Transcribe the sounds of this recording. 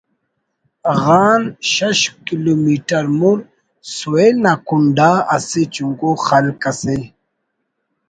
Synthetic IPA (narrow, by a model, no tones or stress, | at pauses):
ɣanʃaʃkilomiʈaɾmuɾ | suenakunɖaaset͡ʃuŋɡoxalkase